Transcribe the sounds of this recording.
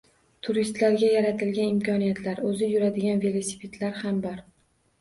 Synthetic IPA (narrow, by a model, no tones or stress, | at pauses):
t̪ʰʊɾist̪laɾɡʲajaɾat̪ʰɪlɡʲanɪmkʲʰɒnijat̪ʰlaɾɵzɪjʊɾad̪ɪɡʲanve̞lˠosi̥pʰe̞t̪ʰlaɾhambɒɾ